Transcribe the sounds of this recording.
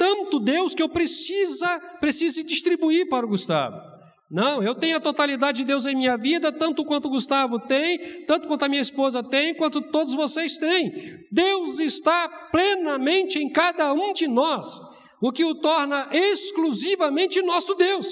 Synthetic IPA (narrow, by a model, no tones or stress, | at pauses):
t̪ɐ̃nt̪ʊd̪ewskɪewpɾesizɐpɾesizɪd͡ʒist̪ɾibuiɾpaɾʊɡust̪a̰vʊ̰ | nɐ̃w̃ewt̪ẽj̃ʊɐt̪ot̪alid̪ad͡ʒɪd͡ʒɪd̪ewzẽj̃mĩɲɐvid̪ɐt̪ɐ̃nt̪ʊkwɐ̃nt̪ʊɡust̪avʊt̪ẽj̃t̪ɐ̃t̪ʊkwɐ̃nt̪ʊɐmĩɲɐispozɐt̪ẽj̃kwɐ̃nt̪ʊt̪od̪ʊzvosejst̪ẽj̃ | d̪ewzɪst̪aplenɐmẽnt͡ʃɪẽj̃kad̪ɐũd͡ʒɪnɔs | ʊkɪʊt̪ɔɾnɐʔeskluzivɐmẽnt͡ʃɪnɔsʊd̪ews